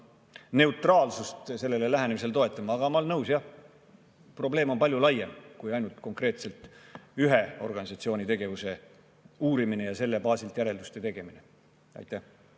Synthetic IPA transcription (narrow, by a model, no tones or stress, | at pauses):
ne̞ut̪ˑrɑːlsust̪se̞lːe̞lelæɦænemis̬e̞lt̪o̞e̞t̪ːˑɑmɑːɡ̥ɑmɑolnɤwsjɑh | pro̞ble̞ːmo̞pɑlʲjulɑjemkujɑjnult̪ko̞ŋkre̞ːt̪se̞lt̪ˑyɦeorɡɑnisɑt̪sio̞ːnʲit̪e̞ɡe̞vuse̞ | uːɾimine̞jɑse̞lːe̞pɑːsilt̪ˑjæɾe̞ld̪ust̪e̞t̪e̞ɡ̥e̞mine | ɑ̰jt̪ːˑæh